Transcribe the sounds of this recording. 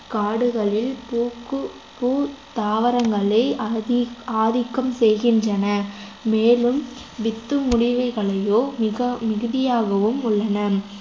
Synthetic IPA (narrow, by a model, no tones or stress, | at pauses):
kaːɽɯɣɐɭɪlpuːkɯ | puːt̪aːʋɐɾɐŋɡɐɭɐɪ | aːðɪkːɐmsɛjɣɪndrɐnɐmeːlɯmʋɪt̪ːɯmʊɽɪʋɐɪɣɐɭɐjoːmɪɣɐmɪɣɯðɪjaːɣɐʋɯmʊɭːɐnɐ